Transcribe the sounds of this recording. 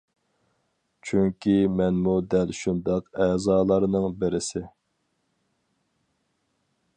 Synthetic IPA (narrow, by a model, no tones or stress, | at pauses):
t͡ʃʰyŋkʲʰimɛnmud̪ɛlʃund̪ɑqɛːzɑːlˠɑɾnɨŋbɪɾɪsɪ